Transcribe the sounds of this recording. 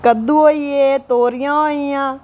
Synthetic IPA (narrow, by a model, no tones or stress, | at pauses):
kəd̪uoːieːt̪oːɾɪjãːoːijãː